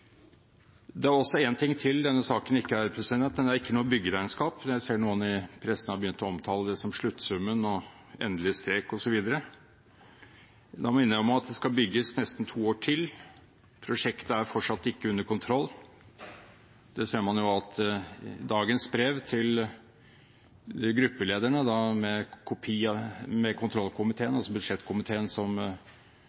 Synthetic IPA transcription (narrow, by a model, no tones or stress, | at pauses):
d̪ɛæɾɔsːɔeːnt̪ʰɪŋːt̪ʰɪld̪ɛnːəsɑːkənɪkːəæɾpʰɾəsənɛnt̪mɛnd̪æɾɪkːənuːəbʏɡːəd̪æɪnskɑːpjæɪseːɳuːənɪpʰɾɛsːənəhɑɾbəjʏnt̪ɔɔmt̪ʰɑːləd̪ɛsɔmʂɭʉt̪ːsʉmːənɔ | ḛːnd̪əlɪəst̪eːkɔsɔʋiːd̪əɾə | d̪ɑmɪnːəɔmɑt̪̚d̪ɛskɑlbʏɡːəsnɛst̪nt̪ʰuːoːʈʰɪl | pʰɾʊʂɛkt̪əæɾfɔʈʂɑt̪ːɪkːəʉnːəɾkʊnt̪ʰɾɔlː | d̪̥ɛseːɾmɑnjʊɑt̪ | d̪ɑːɡənsbɾeːʋt̪ʰɪl | ɡɾʉpːəleːd̪æɳəd̪ɑmɛkʰʊpʰiːɑmɛkʰʊnt̪ʰɾɔlːkʰʊmɪt̪ʰeːənɑlsɔbʉd̪ʂɛt̪ːkʰʊmɪt̪ʰeːənsɔm